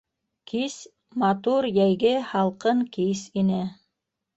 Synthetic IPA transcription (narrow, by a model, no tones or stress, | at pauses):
kis | mɑt̪uɾjæjɡɘhɑlˠqɤŋkisinɘ